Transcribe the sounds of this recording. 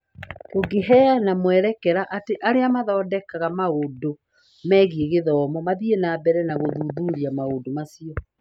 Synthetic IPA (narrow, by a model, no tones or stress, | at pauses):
koɡeɦɛanamwɛɾɛkɛɾaʔateʔaɾeamaðɔːdɛkaɣamaodo | mɛːɣieɣeðɔːmɔmaðienabɛɾɛnaɣoðuðuɾiamaodomasiɔ